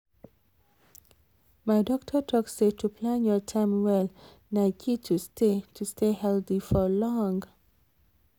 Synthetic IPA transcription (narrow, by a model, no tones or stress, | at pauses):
maɪdɔk̚tʰətʰɔksetʰupʰlãnjɔtʰãɪmwɛl | naɪkʰitʰustʰetʰustʰehɛltifɔlɔ̃ŋɡ